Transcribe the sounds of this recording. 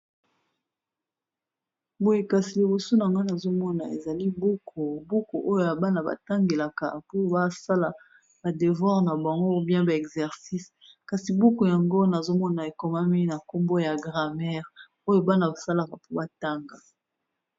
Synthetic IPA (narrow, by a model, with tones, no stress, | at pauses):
bo˨je˨ka˨si˨li˨bo˨so˦na˨ŋɡa˦na˨zo˦mɔ˦na˨ḛ˨za˨li˦bo˦kʰo˨bo˦ko˨ʔo˦jo˨ja˨ba˦na˨ba̰˨ta˦ŋɡe˨la˨ka̰˨po˦ba˦sa˦la˨ | ba˨de˨vwa˦ʁna˨ba˨ŋɡo˦bjɛ̃˦ba˨ɛ˨kzɛ˨ʁsi˦s | ka˨si˨bo˦ko˨ja˨ŋɡo˦na˨zo˦mɔ˦na˨e˨ko˨ma˦mi˦na˨ko˦mbo˦ja˨ɡʁa˨mɛ˦ʁ | o˦jo˦ba˦na˨ba˨sa˦la˨ka˨po˦ba˦ta˦ŋɡa˨